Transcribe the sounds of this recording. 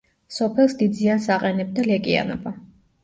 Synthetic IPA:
sɔpʰɛlˠsd̪id̪ziansaqʼɛnɛb̚d̪alɛkʼia̰nɔ̰ba

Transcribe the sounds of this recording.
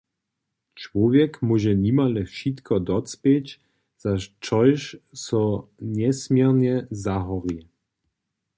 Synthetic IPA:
t͡ʃvɔvʲjɛkmuʒɛɲimalɛfʃit̪kʰɔd̪ɔtt͡spjɛt͡ɕ | z̥at͡ʃɔjʃsɔɲɛsmʲjɛrɲɛzaɦɔʁi

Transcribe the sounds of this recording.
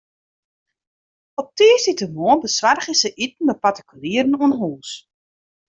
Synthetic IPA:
ɔp̚tiːsitəmoəbəsʋarχəsəʔit̚n̩məpatə̥kʰyliərən̩uənɦuːs

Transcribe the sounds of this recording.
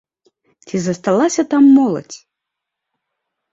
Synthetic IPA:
t͡sʲizɐst̪alˠasʲɐt̪amːɔlˠɐ̰t͡sʲ

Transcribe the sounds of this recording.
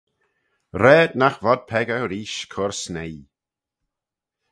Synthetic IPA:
ɾɛːd̪naxvɔd̪̚pʰɛɡəɾiːʃkʰʊɹsnej

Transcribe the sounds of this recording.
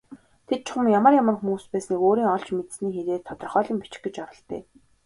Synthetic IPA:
t̪ʰet̪̚t͡ɕʰʊ̥χə̆mjamə̆rjamə̆rxumuːspæːsniːkoːɾiːŋɔɮt͡ɕmet̪sniːxeɾeːt̪ʰɔt̪ɞ̆rχœːɮĭːmpit͡ɕɪ̥̆kɡĕt͡ɕɔɾɞ̆ɬt̪ḛː

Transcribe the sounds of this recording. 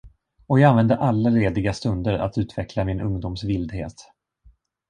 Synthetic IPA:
ɔjɑɡanvɛnd̪əʔalːaɾeːd̪ɪɡast̪ɵnd̪əɾa̰t̪ʉ̟ːt̪vɛklamɪnɵŋd̪umsvɪld̪hḛːt̪

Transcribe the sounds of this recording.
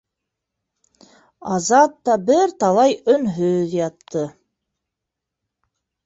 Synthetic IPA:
ɑzɑt̪ːɑbɘɾt̪ɑlˠɑjɵnɦɵðjɑt̪ːɤ

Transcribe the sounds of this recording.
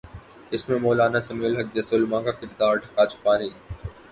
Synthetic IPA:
ɪsmẽmoːlaːnasɐmeːlɦɐk̚d͡ʒɐsolmãːkakɪɾd̪aːɾʈʰɐ̥kaːt͡ʃʰʊ̥paːniː

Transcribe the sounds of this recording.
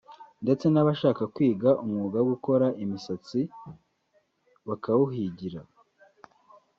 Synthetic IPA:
nde̞t͡se̞naβaʃaːkakwiːɡaʔumŋuːɡawoɡuko̞ɾaʔimisat͡si | βakawuɦiɟiɾa

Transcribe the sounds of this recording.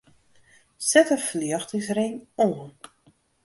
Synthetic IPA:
sɛtəfliəxtɪŋsrenoən

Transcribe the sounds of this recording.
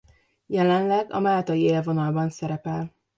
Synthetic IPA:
jɛlɛnlɛɡɒ̰maːlt̪ɒjieːlvo̞nɒlbɒnsɛɾɛpɛl

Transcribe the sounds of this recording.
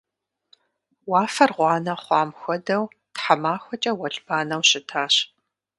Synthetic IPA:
wɑːfɐrʁʷɑːnɐχʷɑːmxʷɔdɐw | tħamaːxʷɔt͡ʃʼɐwɐɬʼb̥aːnɐwɕɪtʰaːɕ

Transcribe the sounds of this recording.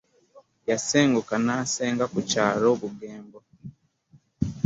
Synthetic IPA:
jaseːŋɡukanaseːŋɡakucaːɾoβuɡeːmbo

